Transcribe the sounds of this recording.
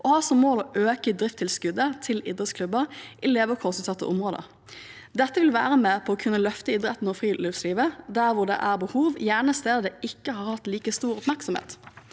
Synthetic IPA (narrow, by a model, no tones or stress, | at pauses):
ʔɔhɑːsɔmːoːlɔʔøːkəd̪ɾɪft̪ʰːɪlskʉd̪ət̪ʰɪlɪd̪ʁət̪skʰlʉbəʁʔɪleːʋəkʰɔʁsʉːt̪sɑt̪ːə̰ʔʊmʁoːd̪ə̰ | d̪ɛt̪ːəʋɪlʋæːʁəmɛpʰɔɔkʰʉnːəlœft̪əɪd̪ɾɛt̪nɔfʁiːliːʋsliːʋəd̪æʁʋʊʁd̪ɛ̰ʔæʁbəhuːʋjæːʁɳəst̪eːd̪əd̪ɛʔɪkːəhɑːʁhɑt̪liːkəst̪uːɾʊpmæʁksɔmhḛːt̪